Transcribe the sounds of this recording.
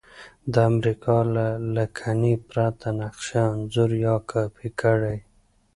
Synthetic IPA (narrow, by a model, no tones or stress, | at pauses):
d̪əamɾikɑlalakʰanipɾat̪ʰanaqʃanzʊɾjɑkʰɑpikʰəɽaj